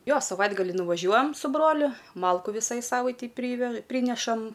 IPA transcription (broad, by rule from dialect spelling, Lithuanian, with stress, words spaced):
ˈjoː sɐˈʋɐɪdɡɐlʲiː nʊʋɐˈʒʲuɔjɛm sʊ ˈbroːlʲʊ ˈmɐlˠkʊ ˈʋʲɪsɐɪ ˈsɑːʋɐɪtʲɛɪ ˈpʲrʲiːʋʲɛʃ ˈpʲrʲiːnʲɛʃɐm